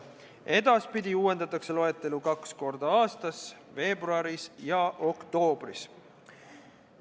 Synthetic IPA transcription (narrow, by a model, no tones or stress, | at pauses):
e̞d̪ɑspid̪̥ʲiuːwe̞nd̪ɑt̪ːˑɑkse̞lo̞e̞t̪ːˑe̞lukɑksko̞rd̪ɑɑːst̪ɑsve̞ːbruɑɾisjɑʔo̞kt̪o̞ːb̥rḭs